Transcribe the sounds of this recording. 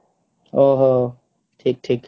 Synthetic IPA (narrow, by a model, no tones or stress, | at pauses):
oːɦoː | ʈʰiːk̚ʈʰiːk